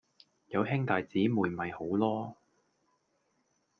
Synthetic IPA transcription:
jɐ˨˧wɦɪ˥ŋt̪aː˨jt͡siː˨˥muː˨˩jmɐ˨jho˨˥wlɔː˥

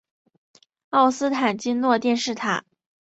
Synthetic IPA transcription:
ɑ˥˩ʊsɹ̩˥t̪ʰa˨˩nt͡ɕi˥nlwɔ˥˧t̪jɛ˥˧nʂɻ̩˥˩t̪ʰa̰˨˩˦

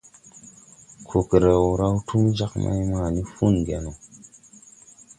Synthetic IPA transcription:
kʰo˨kə˨ɾə˨wu˨ɾa˦wtʰu˦md͡ʒa˦kma̰˦jma˦˨ni˦fu˦nɡe˨no˨

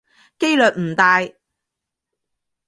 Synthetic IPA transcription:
ke˥jlɵː˨t̚m̩˨˩t̪aː˨j

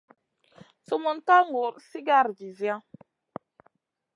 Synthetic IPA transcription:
su˨mu˨nta˦ŋɡo˨ɾsi˦ɡa˦ɾd͡ʒi˨zã˦

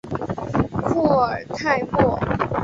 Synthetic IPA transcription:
fu˥˩ə˨˩t̪ʰa˥˧ɪmɔ˥˩

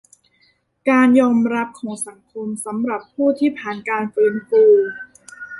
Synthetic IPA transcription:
kaː˧njɔː˧mɾa˦˥p̚kʰɔː˩˦ŋsa˩˦ŋkʰo˧msa˩˦mɾa˨˩pʰːuː˥˩t̪ʰiː˥˩pʰaː˨˩nkaː˧nfɯː˦˥nfuː˧

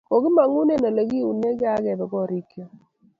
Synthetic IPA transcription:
ko˨ɡɪ˦ma˨ŋu˦ne˦na˨lə˨ɡi˦u˨ne˦ɡɪ˦a˦ɡɛ˨bɛ˨ɡɔ˦ɾi˦kjɔ˨

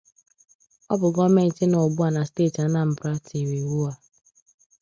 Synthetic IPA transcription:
ɔ˦bʊ˨ɡɔ˦me˦n̩˨tɪ˦no˨bu˦a˨na˨steː˦˨ta˨˦na˨m̩˨bɾa˦tʰi˨we˨wu˦a˦

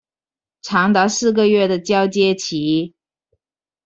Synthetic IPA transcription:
ʈ͡ʂʰɑ˧˥ŋt̪ɑ˧˥ʊsɹ̩˥˩ɡə˨ɥɛ˥˩d̪ə˩t͡ɕjɑ˥ʊt͡ɕjɛ˥t͡ɕʰi˧˥

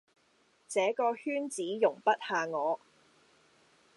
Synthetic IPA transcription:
t͡sɛː˨˥kɔː˧hyː˥nt͡siː˨˥jʊ˨˩ŋpɐ˥t̚haː˨˧ŋɔː˨˧

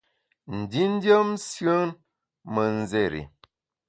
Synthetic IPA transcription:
n̩˨di˦n̩˦djə˦msjə˦n | mə˨n˦ze˦˨ɾḭ˨

